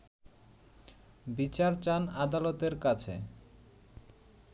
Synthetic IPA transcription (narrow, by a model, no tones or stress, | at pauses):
bit͡ɕaɾt͡ɕanad̪alot̪eɾkat͡ɕʰḛ